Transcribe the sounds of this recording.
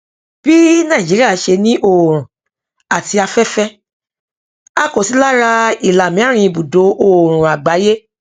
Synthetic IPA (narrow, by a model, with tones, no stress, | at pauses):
b̥i˦nãː˦˨d͡ʒi˨˦ɾi˦a˦˨˦ʃe˧nĩ˦ʔo˦˨ɾ̃ũ˨ | a˨ti˧a˧fɛ˦fɛ˦ | a˦ko˨si˨˦la˦ɾa˧i˨la˨mĩ˦a˦ɾ̃ĩ˧i˧bu˨do˨˦ʔo˦˨ɾ̃ũ˨a˨ɡ͡ba˨˦je˦